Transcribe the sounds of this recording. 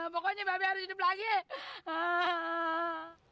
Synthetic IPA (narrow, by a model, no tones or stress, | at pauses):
pɔkɔɲababihaɾʊsidɪplaɡiə